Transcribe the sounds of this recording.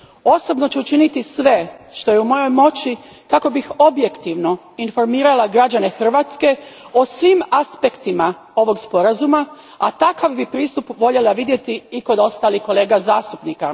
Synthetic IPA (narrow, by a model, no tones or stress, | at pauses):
o̞so̞bno̞t͡ɕeut͡ʃinit̪isʋe̞ʃt̪o̞jeumo̞jo̞jmo̞t͡ɕi | kako̞bixo̞bje̞kt̪iʋno̞ | info̞ɾmiːɾalaɡɾad͡ʑane̞xr̩ʋaːt̪ske̞ | o̞sʋimaspe̞kt̪ima | o̞ʋo̞ɡspo̞ɾazuma | a̰t̪akaʋbipɾiːst̪upʋo̞ʎelaʋid̪je̞t̪iːko̞d̪o̞st̪aːliko̞le̞ːɡazaːst̪upnika